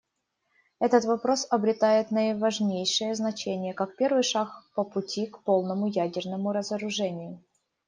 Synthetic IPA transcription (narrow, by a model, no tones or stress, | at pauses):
ɛt̪ət̪vɐpɾo̞sɐbɾʲɪt̪ajɪt̪nəɪvɐʐnʲejʂɨjəznɐt͡ɕenʲɪjəkak̚pʲe̞rvɨjʂakpəpʊtʲikpo̞lˠnəmʊjædʲɪrnəmʊɾəzəɾʊʐɛnʲɪjʊ